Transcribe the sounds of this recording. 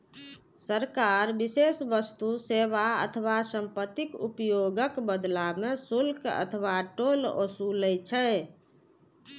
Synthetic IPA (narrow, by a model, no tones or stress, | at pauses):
səɾkaɾbisesʋəst̪useʋaə̰t̪ʰəʋasəmpət̪ikṵpjoɡəkbəd̪lamesulkə̰t̪ʰəʋaʈolo̰suləjt͡ʃʰɛ